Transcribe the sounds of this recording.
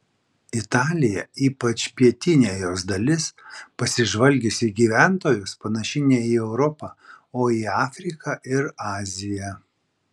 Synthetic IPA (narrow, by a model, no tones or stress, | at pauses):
ɪt̪ɑːlʲɪjɛiːpɐt͡ʃʲpʲiɛt̪ʲɪnʲeːjoːsd̪ɐlʲɪspɐsʲɪʒʋɐlʲɡʲɪsʲiɡʲiːʋʲæˑnt̪oːjʊspɐnɐʃʲɪnʲɛiːɛʊɾɔpɑ | oːiɑːfʲɾʲɪkɐʔɪɾɑːzʲɪjɛ